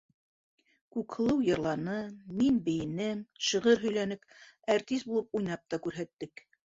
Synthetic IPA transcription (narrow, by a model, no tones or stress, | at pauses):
kʉkhɤ̆lˠɤwjɤ̆ɾlˠɑnɤminbɘ̆jɘ̆nɘmʃɤ̆ʁɤɾɦɵ̆jlænɘp | æɾt̪ist̪̚bulˠɤp̚ujnɑp̚t̪ɑkʉɾɦæt̪ːɘk